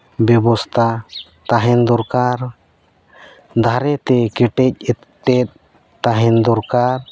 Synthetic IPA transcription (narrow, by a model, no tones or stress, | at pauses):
bɛbɔst̪ʰa | t̪aɦɛnd̪ɔɾkaɾ | d̪ʱaɾɛt̪ɛkɛʈɛc̚ɛt̪ | ʈɛt̪̚ | t̪aɦɛnd̪ɔɾkaɾ